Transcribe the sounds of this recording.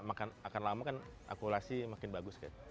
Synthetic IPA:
makanakanlamakana̰kulasimakɪnbaɡʊska̰t̪

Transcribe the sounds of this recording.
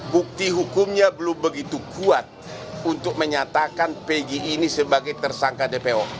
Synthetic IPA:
buk̚t̪iɦukumɲabəlʊmbəɡit̪ukuat̪̚unt̪ʊk̚məɲat̪akanpeɡiʔːnisəbaɡajt̪ərsaŋkadepeɔ

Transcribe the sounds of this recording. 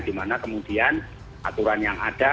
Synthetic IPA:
d̥imanakəmud̥ian | ʔat̪uɾanjaŋad̥a

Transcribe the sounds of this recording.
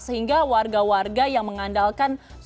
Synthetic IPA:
səhiŋɡawarɡawarɡajaŋməŋandalkan

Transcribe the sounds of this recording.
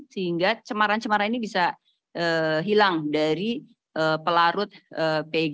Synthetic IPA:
səɦiŋɡat͡ʃəmaɾant͡ʃəmaɾaninibisa | ʔəːɦilaŋdaɾi | ʔəpəlaɾʊt̪̚əːpeɡ

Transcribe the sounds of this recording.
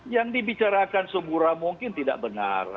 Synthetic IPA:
jaŋdibit͡ʃaɾakansəbuɾamuŋkɪnt̪ida̰ʔ̚bəna̰r

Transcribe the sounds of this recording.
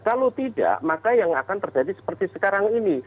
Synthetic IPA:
kalot̪ida̰ʔmakajaŋakant̪ərd͡ʒadisə̥pərt̪isəkaɾaŋini

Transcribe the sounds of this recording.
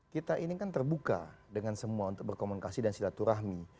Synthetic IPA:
kit̪aʔinikant̪ərbuka̰ | dəŋansəmuaunt̪ʊk̚bərkomunikasidansilat̪uɾaɦmi

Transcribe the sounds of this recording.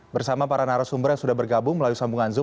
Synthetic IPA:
bərsamapaɾanaɾasumbərjaŋsudahbərɡabʊŋməlalusambuŋanzʊ

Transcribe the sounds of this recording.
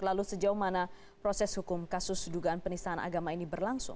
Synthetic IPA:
lalusəd͡ʒauhmana | pɾosɛshukʊmkasʊsduɡaanpənisaɦanʔa̰ɡamainibərlaŋsʊ̰ŋ

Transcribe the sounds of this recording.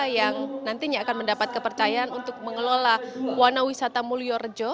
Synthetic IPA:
jaŋnant̪iɲaːkanməndapat̪̚kəpərt͡ʃajaʔːnunt̪ʊk̚məŋəlolahwanawisat̪amuliɔrəd͡ʒɔ

